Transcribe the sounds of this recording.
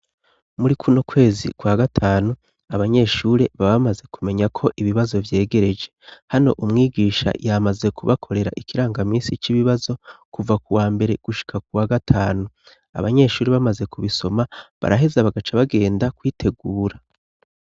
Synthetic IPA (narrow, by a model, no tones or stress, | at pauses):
muɾikʰunokwe̞ːzḭkwaɡatʰaːnu | aβaɲe̞ʃuːɾe̞βaβamaze̞kume̞ɲakʰo̞ʔiβiβazo̞vje̞ːɡe̞ɾe̞d͡ʒe̞hano̞̰ʔumŋiːɡiːʃa̰jamaze̞kʰuβakʰo̞ɾe̞ɾa̰ʔikiɾaːŋɡamiːnsit͡ʃiβiβazo̞kuvakuwaːmbe̞ɾe̞ɡ̥uʃi̥kʰakuwaɡatʰaːnu | a̰βaɲe̞ʃuːɾe̞βamaze̞kuβiso̞maβa̰ɾaɦe̞zaβaɡat͡ʃaβaɡe̞ːndakwiːtʰe̞ɡuːɾa